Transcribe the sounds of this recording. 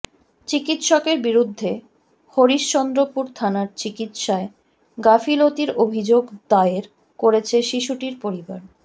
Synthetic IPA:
t͡ɕikit̪ʃɔkeɾbiɾud̪ʱːe | hoɾiʃt͡ɕɔnd̪ɾopuɾt̪ʰanaɾt͡ɕikit̪ʃae | ɡafilot̪iɾobʱid͡ʑoɡd̪aeɾ | koɾet͡ɕʰeʃiʃuʈiɾpoɾiba̰ɾ

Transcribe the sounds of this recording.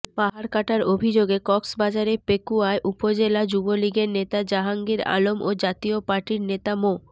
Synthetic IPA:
paɦaɾkaʈaɾobʱid͡ʑoɡekɔksbad͡ʑaɾepekuaeʔupod͡ʑelad͡ʑuboliɡeɾnet̪ad͡ʑaɦaŋɡiɾa̰lomʔod͡ʑat̪iopaɾʈiɾnet̪amo

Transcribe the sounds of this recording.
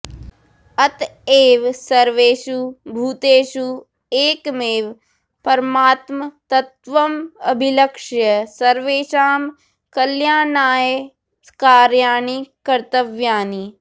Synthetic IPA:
ɐt̪eːʋsɐɾʋeːʃubʱuːt̪eːʃu | eːkmeːʋ | pɐɾmaːt̪mɐt̪ɐt̪ʋɐmɐbʱilɐkʃjɐsɐɾʋeːʃaːm | kɐljaːnaːje | kaːɾjaːnikɐɾt̪ɐʋjaːni

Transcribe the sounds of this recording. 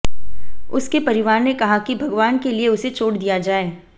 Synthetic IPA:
ʊskepɐɾɪʋaːɾnekɐɦakibʱɐɡʋaːnkelieʊset͡ʃʰoːɽd̪ijad͡ʒaːeː

